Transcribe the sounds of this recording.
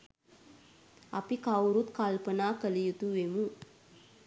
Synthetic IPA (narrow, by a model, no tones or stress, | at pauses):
ɐ̰pikawɾut̪kalpənaːkəlijut̪uʋemu